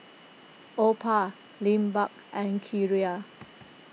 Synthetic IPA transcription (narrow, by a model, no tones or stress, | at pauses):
ʔopʰa | lĩmbak | ɛ̃nkʰiɹia